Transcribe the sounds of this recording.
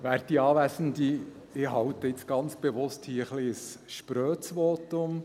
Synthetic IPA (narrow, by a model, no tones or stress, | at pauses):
ʋæːɾd̥iɑːʋæsən̩d̪i | ɪɦɑwt̪əɪt͡sɡ̥ɑnt͡sb̥eʋʊsthiːəχliəsʃpɾøːt͡sʋɔːt̪ʊm